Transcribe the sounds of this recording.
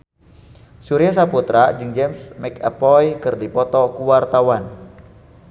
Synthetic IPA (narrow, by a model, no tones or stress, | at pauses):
suɾiasaput̪ɾad͡ʒɨŋd͡ʒɛmsmɛkapɔjkɨrdipɔt̪ɔkuwart̪awan